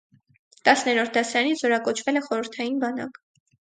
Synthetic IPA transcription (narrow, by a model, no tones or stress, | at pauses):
t̪ɑsnɛɾɔɾt̪̚ʰd̪ɑsɑɾɑnit͡sʰzɔɾɑkɔt͡ʃʰvɛlɛχɔɾəɾt̪ʰɑjinbɑnɑ̰k